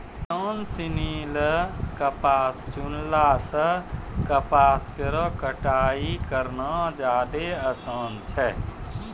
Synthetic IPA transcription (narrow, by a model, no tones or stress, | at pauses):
t͡ʃəːnsiniːləkəpaːst͡ʃunlasəkəpaːskeɾɔkəʈaːikəɾnad͡ʒaːd̪eəsaːnt͡ʃʰɛ